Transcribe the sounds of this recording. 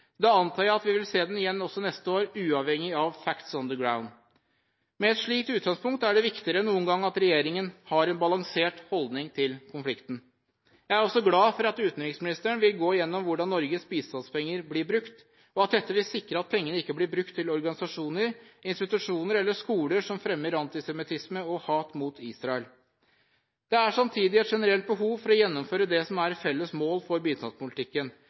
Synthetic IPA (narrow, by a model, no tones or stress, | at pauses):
d̪ɛɑnt̪ʰɑːəɾɑt̪ʋɪʋɪlseːd̪ɛnɪjɛnːɔsːɔnɛst̪əoːɾʉːɑʋhɛŋːɪɑʋfækt̪sɔnd̪əɡɹaʊn | mɛɛt̪ʂɭiːkt̪ʉːt̪̚ɡɑŋspʊŋk̚t̪æɖɛʋɪkt̪ɪəɾənuːənɡɑŋːɑt̪ɾɛjeːɾɪŋənhɑɾɛnbɑlɑŋseːʈhɔld̪nɪŋt̪ʰɪlkʰʊnflɪkt̪n̩ | jæɪæɾɔsːɔɡlɑːfɔɾɑt̪ʉːt̪nɾɪŋsmɪnɪst̪əɳʋɪlɡoːɪjɛnːɔmʋʊɖɑnːɔɾɡəsbiːst̪ɑnspɛŋːəɾblɪbɾʉkt̪ | ɔɑt̪̚d̪ɛt̪ːəʋɪsɪkɾəɑt̪̚pʰɛŋːənəɪkːəblɪbɾʉkt̪ʰːɪlɔɾɡɑnɪsɑʂuːnəɾɪnst̪ɪt̪ʉʂuːnəɾɛlːəʂkuːləʂɔmfɾɛmːəɾɑnt̪ɪsɛmɪt̪ʰɪsməɔhɑːt̪muːt̪ʰiːsɾɑɛl | d̪̥ɛæʂɑmt̪ʰiːd̪ɪɛt̪ʂɛnəɾɛlt̪̚bəɦuːʋfɔɾɔjɛnːɔmføːɾəd̪ɛsɔmæɾfɛlːəsmoːlfɔɾbyːd̪sɑ̰nspʊlɪt̪ʰɪkːən